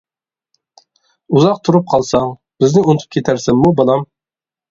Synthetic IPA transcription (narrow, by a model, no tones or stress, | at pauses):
uzɑq̚t̪ʰuɾup̚qʰɑlˠsɑŋb̥ɪznɪunt̪ʰu̥pkʰʲet̪ʰæɾsɪŋmubɑlˠɑm